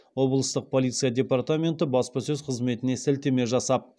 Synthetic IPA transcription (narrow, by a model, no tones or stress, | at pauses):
wo̞blˠəst̪əq̚pʰo̞lʲit̪sɨjadʲe̞part̪amʲe̞nt̪əbɑspɑsɵzqʰəzme̞t̪ɪne̞sælt̪e̞me̞ʒɑsɑp̚